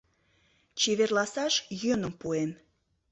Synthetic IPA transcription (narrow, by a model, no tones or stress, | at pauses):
t͡ɕeβerlɑsɑʃjønəmpuem